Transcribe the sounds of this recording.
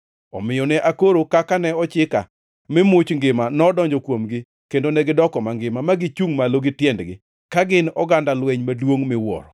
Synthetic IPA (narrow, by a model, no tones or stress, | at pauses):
ɔ̰mɪjɔnɛʔakoɾokakanɛɔt͡ʃɪka̰ | mɪmʊt͡ʃŋɡɪmanɔːdɔɲd͡ʒɔkwomɡɪ | kendonɛɡɪdɔkɔmaŋɡɪmamaɡɪt͡ʃuŋmaloɡɪtjɛndɡɪ̰ | kaɡɪnɔɡandalwɛɲmadwoŋmɪwɔ̰ɾɔ